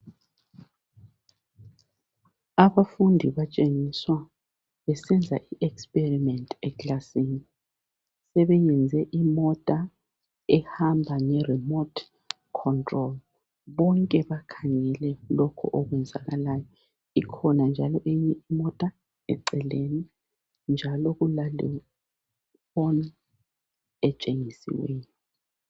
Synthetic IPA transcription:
aβafundʱiβat͡ʃʼeŋiswa | βɛsɛnd͡zʱa̰ʔiʔɛkspʼerimɛntʰʼɛklasini | sɛβɛjɛnd͡zʱɛʔimɔtʼa | ɛhambʱaŋɛrimɔt | kʰɔntʰʼrɔl | βɔŋkʼɛβakʰaŋɛlɛlɔkʰɔ̰ʔoɣwɛnd͡zʱa̰ɣalaːjɔ | ikʰɔnand͡ʒʱalɔʔeɲɛimɔtʼa | ɛ̰ǀɛleni | nd͡ʒʱalɔɣulalɛ | fɔn | ɛt͡ʃʼeŋisḭwɛːjɔ

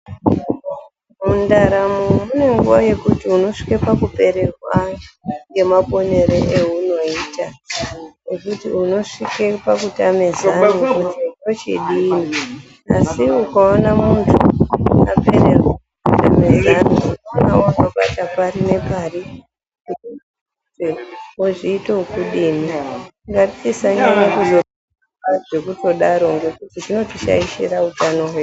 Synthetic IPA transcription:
mundaɾamumune̞ŋɡuʋaje̞kutiuno̞ʂi̥kepakupe̞ɾe̞kaŋɡe̞mapo̞ne̞ɾeʔeɦuno̞iːta | nekutiuno̞ʂike̞pakutame̞zanukuteot͡ʃḭɗini | asiukaonamuntʰua̰peɾeko | kutamezanounnawotoɓatapaɾine̞pari | ku | eoʐiːtokuɗiːmiŋɡapit͡sisaɲanakuzo̞ | aʐe̞kuto̞ɗaɾo̞ŋɡekutiʐino̞tit͡ʃa̰iʃḛɾautano̞ɦweː

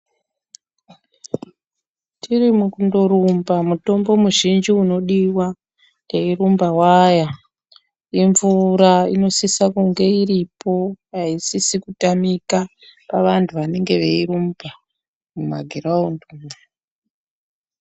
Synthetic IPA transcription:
tʰirimukundo̞ɾumbamuto̞mbomuʒind͡ʒiuno̞ɗiwa | nde̞iɾumbawaja | iɱvuɾaino̞sisakuŋɡe̞iɾipo̞ɦaisisikutamika | paʋantʰuʋane̞ŋɡe̞ʋeiɾumbʱa | muma̰ɡʱiɾaundu

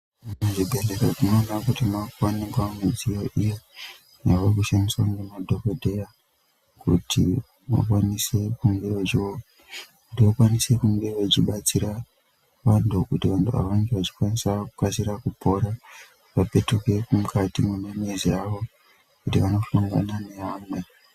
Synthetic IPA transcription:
muʐibʱe̞ɮe̞ɾoʐino̞nakutimakuwaniɡwamud͡zijoʔijo | jaʋorkuʃaniswaŋɡemadʱokodʱeja | kṵtʰḭ | ma̰kwanise̞kumɡeʋet͡ʃiok | kutiʋokwanise̞kumbeʋet͡ʃiɓat͡siɾa | ʋantʰukutiʋantʰuʋa̰ʋaŋɡeʋat͡ʃi̥kwanisakukasiɾakupo̞ɾa | ʋape̞tuke̞kumukatimunameziaʋo̞ | kutiʋano̞ɬuŋɡa̰nane̞ɦaːmwe̞

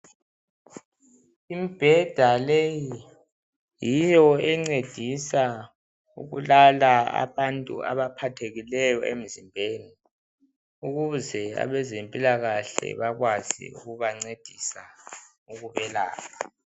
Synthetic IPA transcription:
imib̥ʱɛd̥ʱaleji | jijɔɛŋ͡ǀed̥ʱisa | ṵɣulalaa̰βantʼṵa̰βapʰatʰeɣilɛjɔḛm̩zimbʱeːni | uɣuzɛa̰βɛzempʼilaɣaɬɛ̰βaɣwazḭṵɣuβaŋ͡ǀed̥ʱisa | uɣuβɛla̰ːɣa

